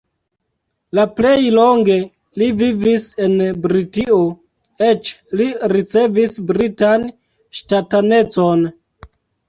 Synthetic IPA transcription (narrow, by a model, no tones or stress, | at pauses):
laple̞jlo̞ŋɡe̞ | livivise̞nbɾitio | e̞t͡ʃliɾit͡se̞visbɾitan | ʃtatane̞t͡so̞n